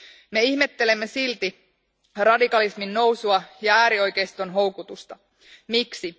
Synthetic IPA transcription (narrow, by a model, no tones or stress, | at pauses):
me̞içme̞t̪ːe̞le̞mːe̞silt̪i | rɑdikɑlisminːo̞wsuɑjɑæːɾio̞jkejst̪o̞nɦo̞wkut̪ust̪ɑ | miksi